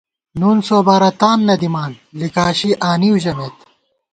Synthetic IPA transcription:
nuːnsoːbaːɾɐt̪aːnnɐd̪imaːnlikaːɕiʔaːniwʑɐmeːt̪

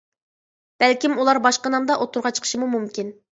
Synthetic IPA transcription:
b̥ælkʲimulˠɑɾbɑʃqənɑmd̪ɑʔot̪ʰuɾʁɑt͡ʃʰə̥qʰə̥ʃimumumkʲin

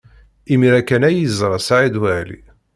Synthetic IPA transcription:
imiɾækænæjizɾˤɑsaʕid̪wælḭ

